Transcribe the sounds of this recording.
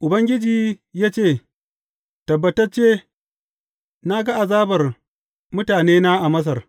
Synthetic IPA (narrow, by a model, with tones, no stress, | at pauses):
ʔʊ˨bɐ˦ŋɡʲɪ˦d͡ʒiː˨jaː˦t͡ʃeː˦˨ | tɐ˨bːɐ˨tɐ˦rt͡ʃeː˦ | na˦ɡɐ˦ʔa˨zaː˦bɐ˨r | mʊ˦taː˨neː˦naː˦ʔa˨mɐ˦s̬ɐ˨r